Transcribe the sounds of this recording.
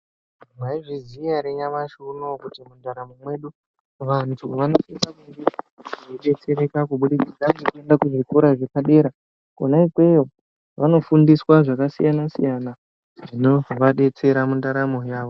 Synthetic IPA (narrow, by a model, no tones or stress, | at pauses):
maiʐizijaɾeɲamaʃunokutimundaɾamomwe̞ɗu | ʋantʰuʋano̞fisakuŋɡiʐiɗe̞t͡se̞ɾe̞kakuɓuɗit͡sid͡zaŋɡekue̞ndakuʐikuɾaʐe̞paɗe̞ːɾa | kunaikwe̞jo | ʋano̞fundiswaʐakasḭjanasḭjana | ʐʐino̞ʋaɗe̞t͡se̞ɾamundaɾamo̞jaːʋo̞